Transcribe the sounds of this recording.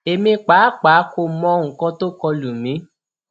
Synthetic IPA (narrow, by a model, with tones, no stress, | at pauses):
e˨mĩ˧k͡pa˨˦k͡pa˨˦ko˧˨mɔ̃˧˦ŋ̩˨kɔ̃˨˧˦to˦kɔ˧lu˨mĩ˨˦